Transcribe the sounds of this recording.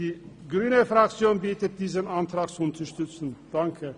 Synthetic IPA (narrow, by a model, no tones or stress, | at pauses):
iː | ɡʁyːnəfʁ̥ak̚t͡sjoːnbiːtət̚d̥iːzənʔantʁ̥aːk̚t͡suʊntʰɐəʃtʏt͡sn̩d̥aŋkʰə